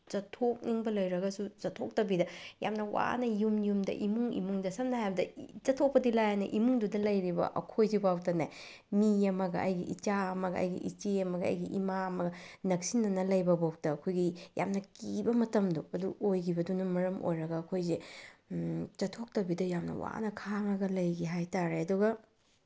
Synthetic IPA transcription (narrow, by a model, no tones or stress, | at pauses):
t͡ʃɐtʰok̚niŋbɐlɐjɾɐɡɐsut͡ʃɐtʰːok̚tɐbidɐja̰mnɐwa̰nɐjumjumdɐ̰ʔimuŋḭmuŋdɐsɐmnaɦajbɐdɐt͡ʃɐtʰok̚pɐdilajanɐ̰ʔimuŋdudɐlɐjɾibɐ̰ʔɐ̰kʰojzibawtɐnaj | miɐmɐɡɐ̰ɐ̰jɡḭʔit͡ʃaɐmɐɡɐ̰ɐ̰jɡḭʔḭt͡ʃeɐmɐɡɐɐ̰jɡḭʔimaɐmɐɡɐnɐksinːɐnɐlɐjbɐbaw̚tɐɐkʰojɡija̰mnɐkibɐmɐtɐmduɐduojɡibɐdunɐmɐɾɐmo̰jɾɐɡɐːkʰojze | t͡ʃɐtʰok̚tɐbidɐjamnɐ̰wa̰nɐkʰaŋɐɡɐlɐjɡiɦajtaɾeɐduɡɐ